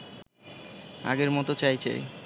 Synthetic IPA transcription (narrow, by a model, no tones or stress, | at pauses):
a̰ɡeɾmɔt̪ot͡ɕajt͡ɕʰa̰j